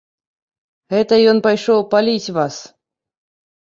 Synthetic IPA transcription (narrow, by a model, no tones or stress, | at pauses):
ɣɛt̪ɐjɔnpajʂɔwpalʲit͡sʲvas